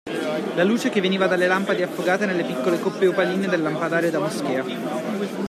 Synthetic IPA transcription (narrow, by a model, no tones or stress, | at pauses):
laluːt͡ʃekevːeniːvad̪alːelampad̪eafːoɡaːt̪enelːepikːolekopːeupaliːned̪elːampad̪aːɾjod̪amosk̟eːa